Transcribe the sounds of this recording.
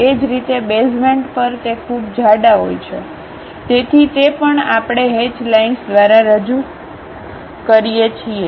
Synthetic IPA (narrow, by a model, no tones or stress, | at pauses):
ed͡ʒɾit̪ebesmeɳʈpəɾt̪ekʰubd͡ʒʱaɖaɦo̰jt͡ʃʰe | t̪et̪ʰit̪epəɳapɽ̃eɦed͡ʒlainsd̪ʋaɾaɾəd͡ʒu | kəɾijet͡ʃʰie